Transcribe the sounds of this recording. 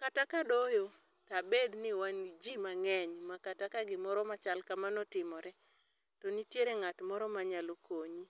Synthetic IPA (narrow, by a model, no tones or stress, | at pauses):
katakadojo | tabed̪nɪwanid͡ʒimaŋɛɲmakatakaɡɪmɔɾɔmat͡ʃalkamanɔtɪmɔɾɛ | tɔnitjeɾeŋatmɔɾɔmaɲalokoɲi